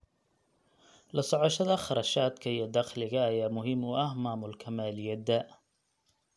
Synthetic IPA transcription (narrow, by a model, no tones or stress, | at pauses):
lɐsɔʕɔʃɐðɐχɑɾˤɑʃaːd̪kʰɐijɔd̪ɑxlɪɣɐːjaːmʊɦɪmʊʔɐhmaːmʊlkʰɐmaːlɪjɐd̪ɐ